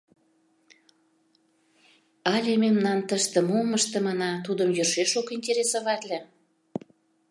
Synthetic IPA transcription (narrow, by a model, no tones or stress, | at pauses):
ɑlʲememnɑnt̪əʃt̪ə̆moməʃt̪ə̆mɑnɑt̪ud̪əmjørʃeʃokinʲtʲeɾʲesoβɑt̪lʲĕ